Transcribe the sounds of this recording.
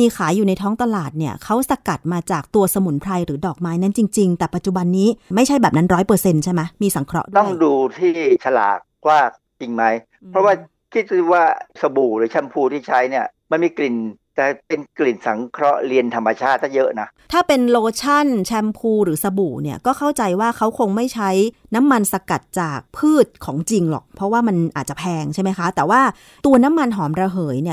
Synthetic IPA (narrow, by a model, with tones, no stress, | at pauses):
miː˧kʰaː˩˦jːuː˨˩na˧jt̪ʰɔː˦˥ŋt̪a˧laː˨˩t̪̚ni˥˩ɐkʰa˦˥wsa˧ka˨˩t̪̚maː˧t͡ɕaː˨˩k̚t̪u˧ɐsa˧mu˨˩˦npʰɾa˧jɾɯː˩˦dɔː˨˩k̚maː˦˥jna˦˥nt͡ɕi˧ŋt͡ɕi˧ŋt̪ɛː˨˩pa˨˩t̪̚t͡ɕu˨˩ba˧nːiː˦˥ma˥˩jt͡ɕʰa˥jbɛː˨˩p̚na˦˥nɾɔː˦˥jpɤː˧se˧nt͡ɕʰa˥˩jma˦˥miː˧sa˩˦ŋkʰɾɔ̰˦˥ʔt̪ɔ˥˩ŋduː˧t̪ʰiː˥˩t͡ɕʰa˧la̰ː˨˩k̚waː˥˩k̚t͡ɕi˧ŋma˦˥j | pʰɾɔ˦˥waː˥˩ | kʰi˦˥t̪̚swaː˥˩sa˧buː˨˩ɾɯː˩˦t͡ɕʰɛ˧mpʰuː˧t̪ʰiː˥˩t͡ɕʰa˦˥jni˥˩ɐma˧nmiː˧kli˨˩nt̪ɛː˨˩pe˧nkli˨˩nsa˩˦ŋkʰɾɔ˦˥ɾi˧ənt̪ʰa˧mːa˧t͡ɕʰaː˥˩t̪̚ʰːaː˥˩jɤ˦˥ʔna˦˥t̪ʰaː˥˩pe˧nloː˧t͡ɕʰa˥˩nt͡ɕʰɛ˧˥mpʰuː˧ɾɯː˩˦sa˧buː˨˩ni˥˩ɐkɔː˥˩kʰa˥˩wt͡ɕa˧jwaː˥˩kʰa˦˥wkʰo˧ŋma˥˩jt͡ɕʰa˦˥j | na˦˥mːa˧nsa˧ka˨˩t̪̚t͡ɕaː˨˩k̚pʰɯː˥˩t̪̚kʰɔː˩˦ŋt͡ɕi˧ŋlɔ̰˨˩k̚pʰɾɔ˦˥waː˥˩ma˧nʔaː˨˩t̪̚t͡ɕa˨˩pʰɛː˧ŋt͡ɕʰa˥˩jma˦˥jkʰa˦˥t̪ɛː˨˩waː˥˩ | t̪u˧ɐna˦˥mːa˧nɦɔː˩˦mɾa˧ɦɤː˩˦jni˥˩ɐ